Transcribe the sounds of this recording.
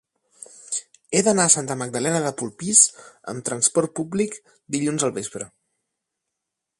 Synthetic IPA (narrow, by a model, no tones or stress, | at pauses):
eðənaəsant̪əməɡ̚d̪əlɛnəðəpulˠpizə̰mt̪ɾənspɔɾt̪̚publik | d̪iʎunzəlˠβespɾə